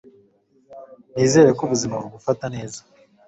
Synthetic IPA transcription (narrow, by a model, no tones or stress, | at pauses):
niːze̞ɾekuβuzimabuɡufatane̞ːzḁ